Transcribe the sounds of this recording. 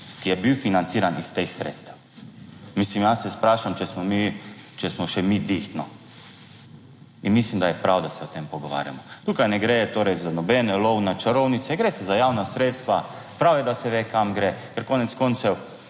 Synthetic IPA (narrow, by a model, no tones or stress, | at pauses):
kijɛbiwfinant̪siːɾanist̪exsɾḛt̪st̪aw | mislimjasɛspɾaːʃamt͡ʃɛsmɔmit͡ʃɛsmɔʃɛmid̪ixt̪nɔ | inmislimd̪ajɛpɾawd̪asɛɔt̪empɔɡɔʋa̰ːɾja̰mɔt̪uːkajnɛɡɾɛjɛt̪oːɾɛjzanɔbɛnɛlɔwnat͡ʃaɾownitsɛɡɾesɛzajaːwnasɾeːt̪st̪ʋa | pɾawjɛd̪asɛʋeːkamɡɾekɛɾkoːnɛt̪skont̪sɛw